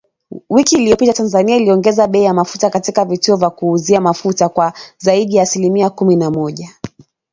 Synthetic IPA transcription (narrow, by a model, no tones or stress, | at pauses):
wikiːlijɔpitatanzaniailiɔŋɡɛzaɓɛijamafutakatikavituɔvjakuːziamafutakwazaiɗijaːsilimiakuminamɔʄa